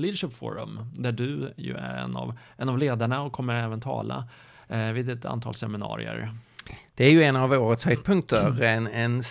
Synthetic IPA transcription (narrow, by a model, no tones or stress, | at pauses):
liːd̪əʂɪpfo̰ːɾəmd̪æɖɵjɵ̰æɾɛ̰nːa̰vʔɛnavleːd̪aɳaɔkʰːɔmːəɾɛːvənt̪ʰɑ̰ːla | vɪd̪ɛt̪ʰa̰nt̪ʰɑːlsɛmɪnɑ̰ːɾɪ̰ə̰ɾ | d̪̥ɛæɾjɵɛnavoːɾət̪shœd̪̚pʰɵŋk̚t̪əɾɛnɛn